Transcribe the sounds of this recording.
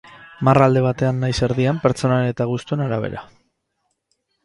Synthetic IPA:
marald̪e̞β̞at̪e̞anːajse̞ɾðiampe̞ɾt͡so̞naene̞t̪aɣ̞ust̪ue̞naɾaβe̞̰ɾa̰

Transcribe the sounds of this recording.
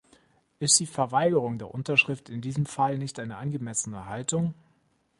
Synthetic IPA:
ʔɪst̚d̥iːfɛɐvaɪɡəʁ̞ʊŋdeːɐʔʊntɐʃʁ̥ɪftɪndiːzəmfalnɪçtʔaɪnəʔanɡəmɛsənəɦaltʊŋ

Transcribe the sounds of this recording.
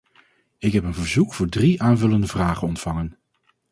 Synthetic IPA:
ɪkɦɛpənvəɹzukfʊːɹdriʔaːnvɵləndəvraːχənɔntfɑŋən

